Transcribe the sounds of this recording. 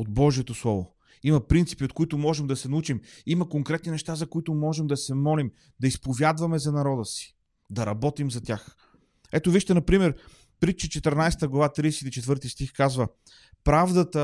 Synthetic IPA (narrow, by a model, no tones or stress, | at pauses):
od̪̚bɔʒiɛt̪oslˠɔvo | imɐpɾint̪si̥piot̪kʊit̪ʊmɔʒɛmd̪ɐsɛnɐut͡ʃimiməkoŋkɾɛt̪ninɛʃt̪azɐkoit̪ʊmɔʒɛmd̪ɐsɛmɔlim | d̪ɐispovʲjad̪vɐmɛzɐnɐɾɔd̪əsi̥ | d̪ɐɾɐbɔt̪imzɐt̪ʲax | ɛt̪oviʃt̪ɛnɐpɾimɛɾ | pɾit͡ʃɛt͡ʃɛt̪ɛɾnajsɛ̥t̪əɡlˠɐvat̪ɾiɛsit̪it͡ʃɛt̪vɤɾt̪ist̪ixkazvə | pɾavd̪ət̪ə